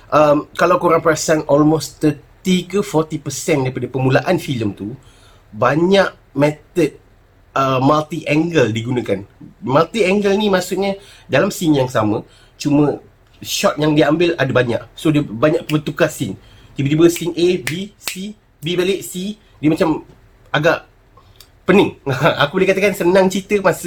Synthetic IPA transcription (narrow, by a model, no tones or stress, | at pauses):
ʔəmkalawkoɾaŋpəɾasanʔɔlmost̪ət̪ikəfɔt̪ipəsɛndaɾipadapəmulaʔanfiləmt̪u | baɲaʔ | mɛt̪ət̚ | əmalt̪iʔɛŋɡəldiɡunə̃kanmalt̪iɛŋɡəlnimaʔsuʔ̚ɲə | dalamsiŋjaŋsamə̃ | t͡ʃumə̃ | ʃɔt̪̚jaŋdiambɪladabaɲa̰ʔsodiəbaɲaʔppət̪ukasin | t̪ibədibəsiŋʔebisi | bibaləʔsi | diəmat͡ʃam | aɡaʔ | pənəŋakubolɛekat̪akansənãŋt͡ʃit̪əmas